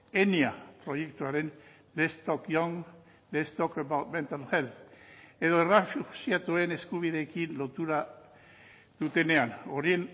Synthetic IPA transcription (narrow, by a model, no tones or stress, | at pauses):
eniapɾo̞je̞kt̪uaɾe̞n | lest̪okjoŋ | lest̪okebawt̪ment̪alxelt̪e̞ðo̞erafusiat̪ue̞ne̞skuβ̞iðe̞ːkinlo̞t̪uɾa | ð̥ut̪e̞ne̞ano̞ɾien